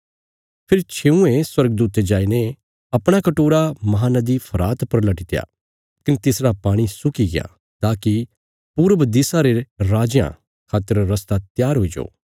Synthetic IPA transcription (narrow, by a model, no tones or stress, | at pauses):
pʰɪɾt͡ʃʰeːũẽswɐɾɡ̚d̪uːt̪ed͡ʒaːine | ɐpɽ̃akɐʈoːɾamɐɦaːnɐd̪ipʰɐɾaːt̪pɐɾlɐʈit̪eja̰ | kɪnt̪ɪsɽapaːɽ̃isʊkiɡɪja̰ | t̪aːki | puːɾəbɐd̪isaɾeɾaːd͡ʒjã̰ | kʰaːt̪əɾːɐst̪at̪jaːɾɦoid͡ʒo̰ː